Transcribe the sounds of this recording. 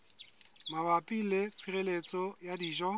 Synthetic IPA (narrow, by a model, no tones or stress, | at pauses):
mabapʼilet͡sʰirelet͡sʼɔjadiːʒɔ